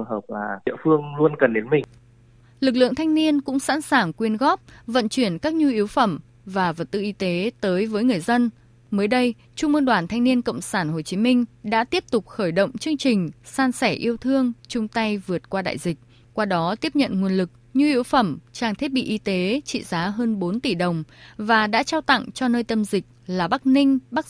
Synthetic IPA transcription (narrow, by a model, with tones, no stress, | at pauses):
ɦəː˨˩p̚laː˨˩ḭ˧əfɨ˧əŋlu˧ənkə˨˩nɗe˨˦nmï˨˩ŋ | lɨ˨˩k̚lɨ̰˧˨əŋt̪ʰa˧jŋ̟ni˧ənkʊ̰˧˥ŋ͡msa̰ː˧˥nsaː˧˨˩ŋkwi˧ənɣɔ˦˥p̚və̰˧˨nt͡ɕwi˧˩ənkaː˦˥k̚ɲu˧ʔi˨˦əwfə˧˩m | vaː˨˩və˨˩t̚t̪ɨ̰˧˨ʔi˧t̪e˨˦t̪əː˨˦jvəː˨˦jŋɨ˨˩əjzə˧n | məː˨˦jɗə˧j | t͡ɕʊ˧ŋ͡mm˧nɗwaː˧˩nt̪ʰa˧jŋni˧ənkə̰˧˨wŋ͡msaː˧˩nɦo˨˩t͡ɕi˨˦mï˧ŋ̟ɗa̰ː˧˥t̪i˦˥əp̚t̪ʊ˨˩k͡p̚xəː˧˩jɗə̰˧˨wŋ͡mt͡ɕɨ˧əŋt͡ɕï˨˩ŋ̟saː˧nsɛ˧˩ʔi˧əwt̪ʰɨ˧əŋt͡ɕʊ˧ŋ͡mt̪a˧jvɨ˨˩ət̚kwaː˧ɗa̰ː˧˨jzï˨˩k̟̚ | kwaː˧ɗɔ˨˦t̪i˦˥əp̚ɲə̰˧˨nŋwi˨˩ənlɨ˨˩k̚ɲu˧ʔi˨˦əwfə˧˩mt͡ɕaː˧˩ŋt̪ʰi˦˥t̚ɓḭ˧˨ʔi˧t̪e˨˦t͡ɕḭ˧˨zaː˨˦ɦəː˧nɓo˨˦nt̪i˧˩ɗə˨˩wŋ͡mvaː˨˩ɗa̰ː˧˥t͡ɕaː˧wt̪a̰˧˨ŋt͡ɕɔ˧nəː˧jt̪ə˧mzï˨˩k̚laː˨˩ɓa˦˥k̚nï˧ŋ̟ɓa˦˥k̚